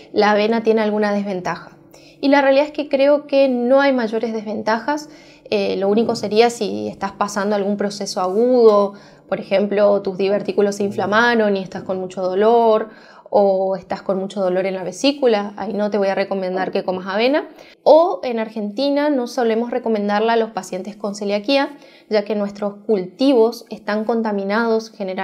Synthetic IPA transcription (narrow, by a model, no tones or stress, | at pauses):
laːβ̞e̞nat̪je̞nealɣunað̞e̞zβe̞nt̪axḁ | ilarealiðaeskekɾe̞o̞ke̞no̞ajmaʒo̞ɾe̞zðezβe̞nt̪axas | elo̞uniko̞se̞ɾiasiḛst̪aspasand̪oalɣumpɾo̞se̞so̞aɣuðo̞ | po̞ɾe̞xe̞mplo̞t̪uzðiβeɾt̪ikulo̞seiɱflamaɾo̞nie̞st̪asko̞nmut͡ʃo̞ð̞o̞lo̞ɾ | oest̪asko̞nmut͡ʃo̞ð̞o̞lo̞ɾe̞nlaβe̞sikulaa̰ino̞t̪eo̞jare̞ko̞mẽnd̪aɾke̞ko̞masaβ̞e̞na | oe̞naɾxe̞nt̪inano̞so̞le̞mo̞sre̞ko̞mẽ̞nd̪aɾlaːlo̞spasje̞nt̪e̞sko̞nseliakia | ʒake̞nwe̞st̪ɾo̞skult̪iβ̞o̞se̞st̪aŋko̞nt̪amĩnað̞o̞sxeneɾ